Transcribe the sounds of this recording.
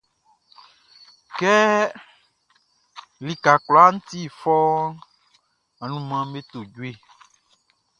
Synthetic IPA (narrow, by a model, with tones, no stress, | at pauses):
kɛ˦ | li˨ka˨kla˦ŋũ˦t̪i˦˨fɔ˦ | a˨nũ˦mã˦me˦t̪o˨d͡ʒu˦e˦